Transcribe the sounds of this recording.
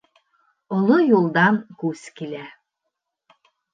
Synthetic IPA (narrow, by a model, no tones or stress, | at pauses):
olˠojulˠd̪ɑnkuskilʲæ